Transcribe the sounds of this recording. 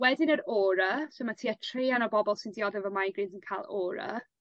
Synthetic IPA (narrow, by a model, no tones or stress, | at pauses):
wɛdɪnəɾoːɾəsomatʰiːətʰriːanɔbɔbɔlˠsɪndiɔðɛvəmajɡriːnsɪnkʰaːlˠoːɾə̰